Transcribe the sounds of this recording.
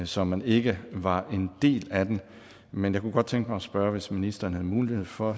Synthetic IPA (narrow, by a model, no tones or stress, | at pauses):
sɒ̽mæne̝ɡ̥əʋɑ̈ʔe̝nd̥e̝̰ːlæd̥en | menjɑɪkʰuɡ̥ɒ̽d̥̚t͡sʰeŋɡ̥əmɑ̈ɪɒsb̥ɶɐʋe̝sminisd̥ɐːn̩hæðˠmuːlihe̝ð̞̰ˠfɒ̽